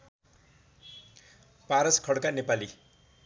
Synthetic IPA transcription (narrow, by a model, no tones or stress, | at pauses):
paɾʌskʰʌɽkanepali